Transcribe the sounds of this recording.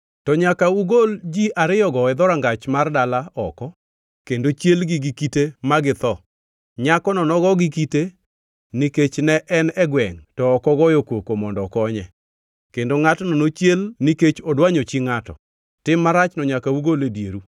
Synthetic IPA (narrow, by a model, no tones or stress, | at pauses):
tɔɲakauɡold͡ʒiʔaɾɪjɔɡɔɛd̪ɔɾaŋɡat͡ʃmardalaɔkɔ | kendot͡ʃjelɡɪɡikitemaɡɪt̪ɔ | ɲakɔnɔnɔɡɔɡikite | niket͡ʃnɛʔɛnɛɡwɛŋtɔːkɔɡɔjokwokomɔndɔkɔɲɛ | kendoŋatɔnɔnot͡ʃjelniket͡ʃɔdwaɲot͡ʃiŋatɔ̰ | tɪmːaɾat͡ʃnɔɲakauɡoledjeɾu